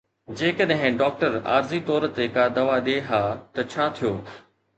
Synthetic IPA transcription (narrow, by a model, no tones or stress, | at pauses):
d͡ʑeːkəɗɦɪ̃ɖɔːk̚ʈəɾa̰ːɾzit̪ɔːɾət̪ekad̪ɐʋaɗeɦaːt̪ɐt͡ɕʰaːt̪ʰijoː